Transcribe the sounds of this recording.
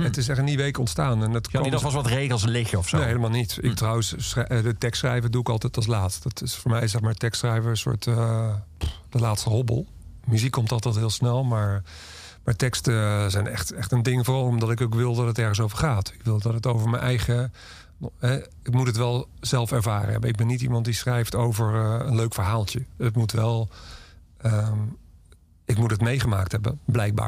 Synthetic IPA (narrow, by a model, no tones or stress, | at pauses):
ətɪs̬ɛχəniʋejkɔ̰ntstaːnɛndətdɔɔsʋɑtrejχəl̩ˠslɪxəɔfsoneɦejləmaːlˠnitɪ̰k̚trɑwəssrɛdətɛkstsχrɛ̰jvəduɪkɑlˠtɛjtɑlˠs̬laːtstdɑtɪsfʊːɹmɛjɪsɛχmaːɹtɛkstsχrɛjvəə̃nsʊ̰ːɹtə | d̥əlaːtstəɦɔbə̰lˠ | myzikːɔmtɑlˠtɛjtɦɪːlˠsnɛlˠmaːɹ | maːɹtɛkstəzɛjnɛ̰χtɛχtəndɪŋəfʊːrɑlˠɔmdɑtɪkowkʋɪlˠdɑtətɛɹχəns̬owvəɹχaːtɪkʋɪlˠdɑtətowvəɹmənʔɛ̰jχə | ɦɛ | ɪkmutɦətʋɛlˠzɛlˠfɛɹvaːrə̰ɦɛ̰bənɪɡ̚bɛnːitḭmɑntdisχrɛjftowvəɹənløɥkfəɹɦaːlˠtjəətmutʋɛlˠ | ə | ɪkmutɦətmejχəma̰ːk̚tɦɛbə̰blɛjk̚ba̰ːɹ